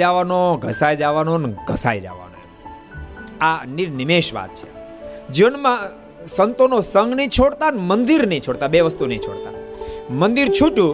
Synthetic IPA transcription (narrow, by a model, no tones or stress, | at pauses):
aʋanoɡʱəsajd͡ʒaʋanonɡʱəsa̰jd͡ʒa̰ʋa̰no̰e | aniɾnɪmeʃʋa̰t̪̚t͡ʃʰe̥ | d͡ʒənmã | sənt̪onosə̃ŋɡnit͡ʃʰoɽt̪anmənd̪iɾnĩt͡ʃʰoɽt̪abeʋəst̪unĩt͡ʃʰo̰ɽt̪a̰mənd̪iɾt͡ʃʰuʈũ